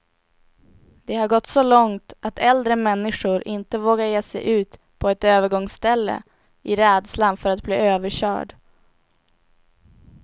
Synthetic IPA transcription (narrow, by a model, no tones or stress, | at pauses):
d̪ɛhaɾɡɔt̪ːsɔlɔŋt̪at̪ʰɛld̪ɾəmɛnːɪʂʊɾʔɪnt̪əvoːɡaɾjeːsɛ̰jʔʉ̟ːt̪ | pʰɔɛt̪øːvəɾɡɔŋsːt̪ɛlːə̰ | ɪɾɛːd̪slanfœɾat̪̚bliːøːvəɕœ̰ːɖ